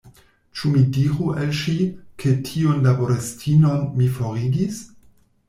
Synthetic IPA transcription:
t͡ʃumidiɾuʔalʃikʰe̞tʰionlaboɾestʰino̞nmifoɾiɡis

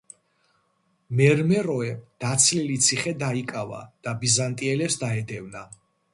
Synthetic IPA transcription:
mɛɾmɛɾɔɛd̪̥at̪sʰlilit̪sʰiχɛd̪aikʼava̰d̪̥abizant̪ʼiɛlɛpsd̪aɛd̪ɛvna

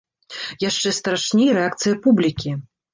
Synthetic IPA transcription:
jaʂt͡ʂɛst̪ɾaʂnʲejɐɾɛakt̪sɨjɐpublʲikʲi

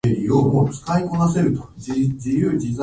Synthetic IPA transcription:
eɾʲiomot͡sɨ̥kaiko̞nase̞ɾɯ̟t̪o̞̥d͡ʑijɯːd͡ʑiza

